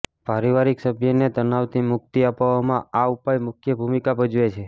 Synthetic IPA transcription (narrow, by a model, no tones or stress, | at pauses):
paɾiʋaɾiksəbʱjəned̪ənaʋt̪imʊk̚t̪iapʋamãaupajmʊkʰjəbʱumikabəd͡ʒuet͡ʃʰe